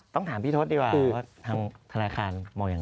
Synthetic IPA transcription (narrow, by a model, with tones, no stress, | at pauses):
t̪ɔ˥˩ŋt̪ʰaː˩˦mpʰiː˥˩o˦˥t̪̚diː˧kwaː˨˩˧waː˥˩t̪ʰaː˧ŋt̪ʰa˧naː˧xʰaː˧nmɔː˧ŋjaː˨˩